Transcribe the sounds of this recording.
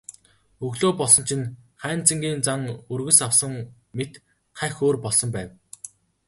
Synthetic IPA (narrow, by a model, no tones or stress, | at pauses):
ɵɣɮoːpɔɮsɞ̆nt͡ɕʰinχæːnt͡sə̆ŋɡʲiːnt͡saŋɵrɣɵ̆sawsə̆ŋ | met̪ | χæxoːrpɔɮsɞ̆mpæːw